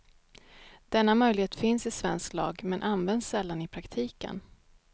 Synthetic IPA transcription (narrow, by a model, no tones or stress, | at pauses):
d̪̥ɛnːamœjlɪɡheːt̪fɪnsɪsvɛnsklɑ̰ːɡmɛnʔanvɛnd̪sːɛlːanɪpʰɾakt̪ʰiːkə̰n